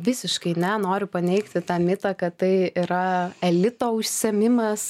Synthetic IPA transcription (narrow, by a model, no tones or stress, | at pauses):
ʋʲɪsʲɪʃkɐɪnʲɛnoːɾʲʊpɐnʲɛɪkt̪ʲɪt̪ɑːmʲɪt̪ɐkɐtt̪ɐɪiɾɐɛlʲɪt̪oːʊʃʲsʲɛmʲɪmɐs